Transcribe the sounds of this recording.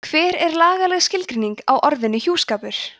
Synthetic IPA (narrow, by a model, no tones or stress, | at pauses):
kʰvɛːɾɛɾlaːɣalɛɣscɪlkɾiniŋkawʔɔɾðɪnːʏçjuːskaːpʏɾ̥